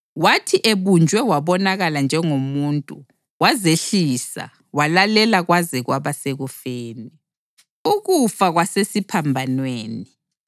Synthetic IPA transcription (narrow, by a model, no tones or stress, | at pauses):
watʰiʔeβund͡ʒʱwɛwaβɔnaɣaland͡ʒʱɛŋomuːntʼṵ | wazeɬisa̰ | walalɛlaɣwazɛɣwaβaseɣufeːni | uɣufaɣwasesipʰambʱanweːni